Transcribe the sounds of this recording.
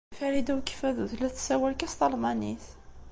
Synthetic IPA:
fæɾid̪æwkə̥fæðuðlæθsæwælkæst̪ɑlmɑniθ

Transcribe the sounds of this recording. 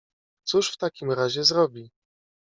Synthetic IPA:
t̪suʂft̪akʲimɾaʑɛzɾɔbʲi

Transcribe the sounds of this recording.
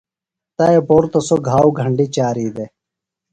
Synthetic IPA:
t̪ɐeboːɾt̪ɐsoɡʱaːwɡʱəɳɖiːt͡ɕaːɾiːd̪e

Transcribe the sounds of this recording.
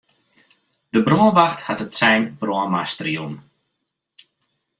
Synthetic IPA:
d̥əbrɔːnʋaxthatətsɛjnb̥rɔəmastərjun

